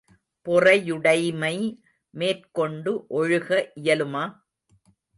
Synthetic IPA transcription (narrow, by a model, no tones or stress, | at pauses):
pʊrɐjʊɽɐɪmɐɪ | meːrkɔɳɖɯʔɔɻɯɣɐʔɪjɐlɯmaː